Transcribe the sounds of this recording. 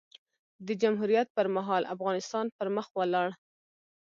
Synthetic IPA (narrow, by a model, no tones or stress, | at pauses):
d̪əd͡ʒamɦuɾjat̪̚pəɾmaɦɑlʔa̰fɣɑnɪst̪ɑnpəɾməxwəlɑɽ